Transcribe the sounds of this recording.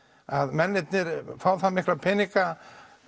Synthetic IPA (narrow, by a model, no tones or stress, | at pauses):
aðmɛnːɪt̪nɪɾfaːwθamɪklapʰɛnika